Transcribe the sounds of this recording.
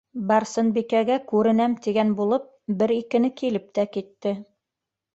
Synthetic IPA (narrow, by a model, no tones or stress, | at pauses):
bɑɾsɤnbikæɡækʉɾɘ̆næmt̪iɡænbulˠɤp̚bɘɾikɘ̆nɘkilɘp̚t̪ækit̪ːɘ